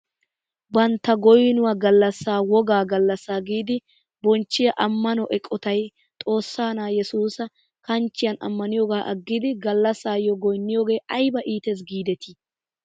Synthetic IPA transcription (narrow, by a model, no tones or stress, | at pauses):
bɐnt̪ːɐɡɔjnʊwaɡɐlːɐsːaːwɔɡaːɡɐlːɐsːaːɡiːd̪ɪ | bɔnt͡ʃːɪjɐʔɐmːɐnɔʔɛkʼːɔt̪ɐj | t̪ʼo̞ːsːaːnaːjɛsuːsɐ | kɐnt͡ʃːɪjɐnɐ̰mːɐnɪjɔɡaːʔɐɡːɪd̪ɪɡɐlːɐsaːjɔɡɔjnːɪjoːɡe̞ːʔɐjbɐʔiːt̪ɛs̬ɡiːd̪ɛt̪ʰi